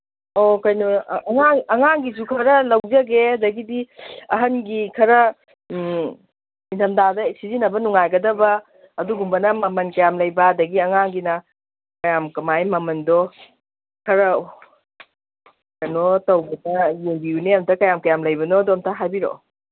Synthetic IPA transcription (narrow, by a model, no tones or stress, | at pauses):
okɐjnoɐŋaŋɐŋaŋɡizukʰɐɾɐlɐwd͡ʒɐɡeɐdɐɡidiɐɦɐnɡikʰɐɾɐ | intʰɐmdadɐsizinɐbɐnuŋajɡɐdɐbɐː | duɡumbɐnɐmɐmɐnkɐjamlɐjbɐːdɐɡiɐŋaŋɡinɐ | kɐjamkɐmajmɐmɐndɔ | kʰɐɾɐ | kɐjnotɐwbɐtɐjeŋbiuneɐmtʰɐkɐjamkɐjamlɐjbɐnɔdomtʰaɦajbiɾo̰